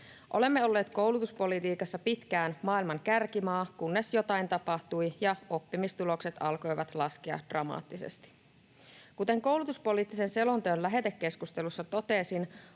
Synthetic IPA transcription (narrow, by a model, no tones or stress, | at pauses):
ʔo̞̰le̞mːeo̞lːe̞ːt̪ko̞wlut̪uspo̞lit̪iːkɑsːɑpit̪kæːnmɑːilmɑŋkærkimɑːkunːe̞sjo̞t̪ɑint̪ɑpɑht̪ujjɑo̞pːimist̪ulo̞kse̞t̪ɑlko̞jʋɑt̪lɑskiɑ̰d̥rɑmɑ̰ːt̪ːisḛst̪i̥ | kut̪e̞ŋko̞wlut̪uspo̞lit̪ːise̞nse̞lont̪øːnlæɦe̞t̪ekːeskust̪e̞lusːɑt̪o̞t̪e̞sin